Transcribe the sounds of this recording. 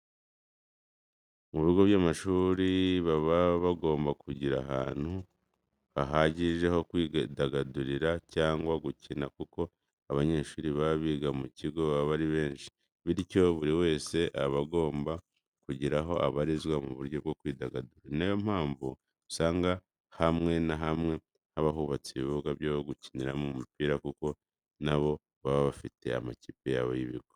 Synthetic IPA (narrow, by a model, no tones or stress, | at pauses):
muβiɡo̞βjaːmaʃuːɾiβaβaβaɡo̞ːmbakuɟiɾa̰ɦa̰ːn̥hu | βaɦaːɟiʒe̞ho̞kwidaɡaduɾiɾacaːŋɡwaɡucinakuko̞ | aβaɲe̞ːʃuːɾiβaβiːɡamuciɡo̞βaβaɾiβe̞ːnʃi̥ | βiɾico̞βuɾiwe̞ːse̞ʔaβaɡo̞ːmba | kuɟiɾaɦo̞aβaɾizɡwamuβuɾɟo̞bɡo̞kwiːdaɡaduɾanejom̥haːɱvu | usaːŋɡa | hamŋe̞naɦamŋe̞ | haβaɦuβat͡siiβukaβjaːβoɡuci̥niɾamumupiːɾakuko̞ | naβo̞ | βaβaβafite̞̰a̰maciːpejaβojiβḭɡwo